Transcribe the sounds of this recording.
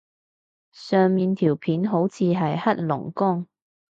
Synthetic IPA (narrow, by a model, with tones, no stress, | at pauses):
sœː˨ŋmiː˨nt̪ʰiː˨˩wpʰiː˨˥nɦo˨˥wt͡sʰiː˨˧ɦɐ˨jhɐ˥t̚lʊ̰˨˩ŋkʊ˥ŋ